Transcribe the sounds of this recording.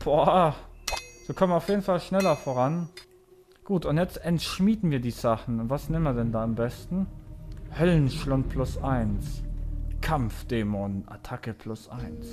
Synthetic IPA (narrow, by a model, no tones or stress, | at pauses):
bo | z̥oːkʰɔmənaʊfjeːdn̩falʃnɛlɐfoːʁan | ɡ̥uːtʊntjɛt͡stʔɛntʃmiːdn̩viːɐdiːzaχn̩ʊntv̥asnɛməɐdɛndaːambɛstn̩hœlənʃlʊnt̚pʰlʊsʔaɪns | kʰamfd̥eːmoːnʔa̰tʰakəpʰl̥ʊsʔa̰ɪns